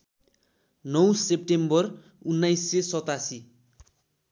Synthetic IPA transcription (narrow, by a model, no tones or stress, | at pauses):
nʌw̃sep̚ʈembʌr | unːajsːesʌt̪asi